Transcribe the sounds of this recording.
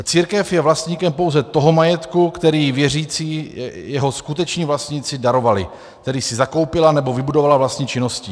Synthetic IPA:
t͡siːɾkɛfjɛvlast̪ɲiːkɛmpowzɛt̪o̞ɦo̞majɛt̪kukt̪ɛɾiːvjɛriːt͡siːjɛɦo̞skut̪ɛt͡ʃɲiːvlast̪ɲiːt͡sɪdaɾo̞valɪ̰ | kt̪ɛɾiːsɪzako̞wpɪlanɛbo̞vɪbudovalavlast̪ɲiːt͡ʃɪno̞scɪ

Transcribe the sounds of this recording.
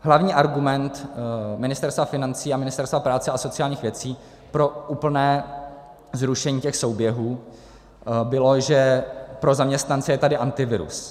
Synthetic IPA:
ɦlavɲiːʔaɾɡumɛnt̪mɪnɪst̪ɛɾst̪vafɪnant͡siːamɪnɪst̪ɛɾst̪vapɾaːt͡sɛʔaso̞t͡sɪaːlɲiːxvjɛt͡siː | pɾo̞ʔuːpl̩nɛː | zɾuʃɛɲiːcɛxso̞wbjɛɦuː | bɪlo̞ʒɛpɾo̞zamɲɛst̪nant͡sɛjɛt̪adɪʔant̪ɪvɪɾṵs

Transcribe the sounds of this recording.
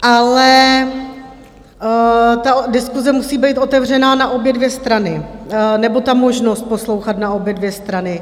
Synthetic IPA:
ʔalɛ | t̪adɪskuzɛmusiːbɛjt̪ʔo̞t̪ɛvr̝ɛnaːnaʔo̞bjɛdvjɛst̪ɾanɪnɛbo̞t̪amo̞ʒnost̪̚po̞slo̞wxat̪nao̞bjɛdvjɛst̪ɾanɪ

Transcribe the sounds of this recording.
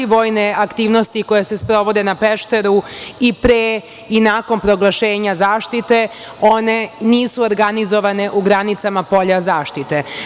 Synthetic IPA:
iʋo̞ːjneakt̪iːʋno̞st̪iko̞jese̞spɾo̞ʋo̞d̪enapeʃt̪e̞ɾuipɾe | inaːko̞npɾo̞ɡlˠaʃeːɲazaːʃt̪it̪e̞ | o̞ne̞niːsuoɾɡanizo̞ʋane̞ʔuɡɾanit̪samapo̞ʎazaːʃt̪it̪e̞

